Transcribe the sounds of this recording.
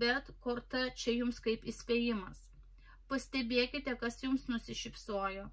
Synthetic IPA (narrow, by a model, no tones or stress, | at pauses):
bʲɛt̪koːɾt̪ɐt͡ʃʲɛjʊmskɐɪpɪsʲpʲeːjɪmɐs | pɐsʲt̪ʲɛbʲeːkʲɪt̪ʲɛkɐsjʊmsnʊsʲɪʃʲɪpsoːjoː